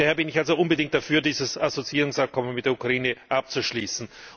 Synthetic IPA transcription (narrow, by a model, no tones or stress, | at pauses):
hɛːɐbɪnɪçalzoʔʊnbədɪŋktd̥afyːɐdiːzəsazot͡siiːʁʊŋsap̚kʰɔmənmɪtdeɐukʁaiːnəʔap̚t͡suʃliːsn̩